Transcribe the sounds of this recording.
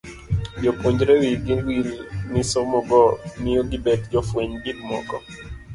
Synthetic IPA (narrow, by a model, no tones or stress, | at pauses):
d͡ʒopoɲd͡ʒɾɛwiɡiwilnɪsɔmɔɡɔnɪoɡɪbɛtd͡ʒɔfweɲbidmɔ̰ɡɔ